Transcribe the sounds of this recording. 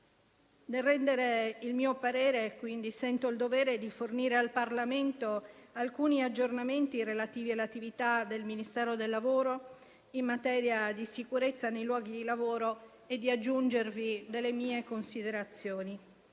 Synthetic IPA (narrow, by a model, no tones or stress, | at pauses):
d̪erːɛnd̪eɾeilmiːopaɾɛːɾekwind̪isɛnt̪oild̪ovɛːɾed̪iforniːɾealparlament̪oalkuːniad͡ʒːornament̪iɾelat̪iːvialːat̪ivit̪ad̪elminist̪ɛːɾod̪elːavoːɾo | immːat̪ɛːɾjad̪isikuɾet̪sːanejlwɔːɡid̪ilavoːɾo | ed̪ːiad͡ʒːund͡ʒervid̪elːemiːekonsid̪eɾat̪sːjoːni